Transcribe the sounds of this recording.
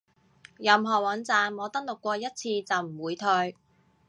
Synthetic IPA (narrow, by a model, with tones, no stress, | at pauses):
jɐ˨mɦɔː˨˩wɐ˨˧˥nt͡saː˨mŋɔː˨˧˥t̪ɐ˥ŋ̚lʊ˨kːʷɔː˧jɐ˥t̚t͡sʰiː˧t͡sɐ˨wm̩˨˩wuː˨˧jt̪ʰɵ˧ɥ